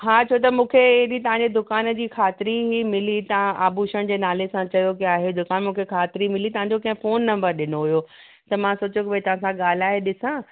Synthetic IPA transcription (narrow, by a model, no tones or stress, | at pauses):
ɦaːt͡ɕʰot̪̬ɐmũːkʰeɪɦɗit̪ɐʋ̤ãɲd͡ʑed̪ʊkaːnd͡ʑiːkʰaːt̪ɪɾiɦimɪlit̪ɐãʔaːbuʃəɽ̃d͡ʑeːnaːlesãt͡ɕɐjokiaːɦed̪ʊkaːnmũːkʰekʰaːt̪ɪɾimɪlit̪ɐɦãɲd͡ʑokɐ̃ɦɪ̃foːnːɐ̃mbəɾɗɪnoɦʊjo | t̪ɐmãsoːt͡ɕokɪʋet̪ɐɦãsãɠaːl̤aːɦeɗɪsã